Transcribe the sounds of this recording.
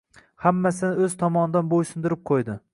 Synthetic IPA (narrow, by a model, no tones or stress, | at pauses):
hamːasɪnɪɵz̥t̪ʰɒmɒnɪd̪anbojʃɪnd̪ɪɾɪp̚qʰojd̪ɪ